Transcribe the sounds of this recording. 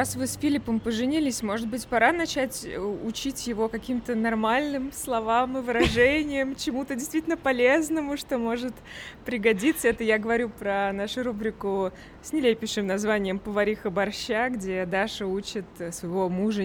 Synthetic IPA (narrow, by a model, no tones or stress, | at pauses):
asvɨsfʲilʲɪpəmpəʐɨnʲilʲɪsʲmo̞ʐɨt̪̚bɨtʲpɐɾanɐt͡ɕætʲəʊt͡ɕitʲjɪvo̞kɐkʲimt̪ənɐrmalʲnɨmslˠɐvamɨvɨɾɐʐɛnʲɪjəmt͡ɕɪmut̪ədʲɪst̪vʲitʲlʲnəpɐlʲeznəmʊʂt̪o̞mo̞ʐɨt̪ | pɾʲɪɡɐdʲit̪səɛt̪əjaɡəvɐɾʲupɾɐnaʂʊɾubɾʲɪkʊ | sʲnʲɪlʲepʲɪʂɨmnɐzvanʲɪjəmpəvɐɾʲixəbɐrɕːaɡdʲe̞d̪aʂɨut͡ɕɪt̪svəjɪvo̞muʐə